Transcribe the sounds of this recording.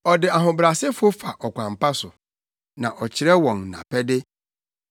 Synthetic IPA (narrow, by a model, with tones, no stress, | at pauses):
ɔ˨dɪ˨a˨ɦʊ̃˨bɾa˨sɪ˦fʊ˦o˦fa˨ʔɔ˨kʷʰã˨mpa˦sʊ˨ | nã̰˨ʔɔ˨t͡ɕʰɪ˨ɾɛ˦wɔ̃˨n˨nã̰˨pʰɛ˦dɪ˦